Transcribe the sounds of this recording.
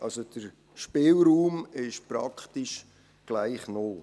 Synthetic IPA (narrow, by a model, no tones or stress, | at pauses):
ʔɑlsod̥əɾ | ʃpɪːlɾuːmɪʃpɾɑkχtiʃ | ɡ̥laɪχnoː